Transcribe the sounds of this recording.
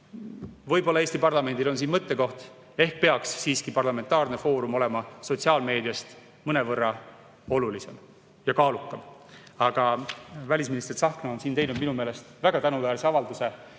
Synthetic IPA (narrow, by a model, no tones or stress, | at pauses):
vɤjbo̞lːɑeːst̪ipɑrlɑme̞nd̪ilo̞ns̬iːnmɤt̪ːe̞ko̞ht̪ | e̞hk̚pe̞ɑksːiːskipɑrlɑme̞nt̪ːˑɑːrne̞fo̞ːɾumo̞le̞mɑso̞t̪ʲsiɑːlme̞ːd̪iɑst̪ | mɤne̞vɤrːɑ | o̞lulise̞m | jɑkɑːlukːˑɑmɑɡ̥ɑvælʲis̬minist̪ersɑhknɑo̞nsiːnt̪e̞jnud̪̚minumeːle̞st̪væɡ̥ɑt̪ænuvæːɾse̞ɑvɑld̪use̞